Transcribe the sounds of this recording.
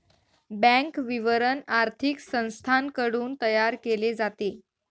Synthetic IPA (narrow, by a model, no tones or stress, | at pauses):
bɛ̃ŋkʋiʋəɾənaɾt̪ʰiksə̃w̃st̪ʰankəɽuːnt̪əjaɾkeled͡zat̪e